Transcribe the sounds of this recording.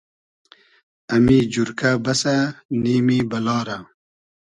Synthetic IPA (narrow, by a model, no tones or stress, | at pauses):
ɐmid͡ʑuɾkʰabɐsaniːmibɐlɑːɾa